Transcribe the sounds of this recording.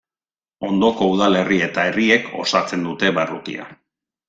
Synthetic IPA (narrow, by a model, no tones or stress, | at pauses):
o̞nd̪o̞ko̞uð̞ale̞rie̞t̪ae̞rie̞ko̞̰sat͡se̞nd̪ut̪e̞βarukḭa̰